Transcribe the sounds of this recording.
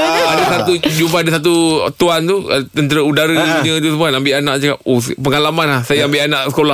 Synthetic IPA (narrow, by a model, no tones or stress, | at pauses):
adasat̪ud͡ʒumpaadasat̪̬ut̪uant̪ut̪ənt̪əɾəudaɾəɲə̃t̪usəmuanambɪʔanãʔd͡ʒakaospəŋalamanahsajaambɪʔanãʔsə̥kola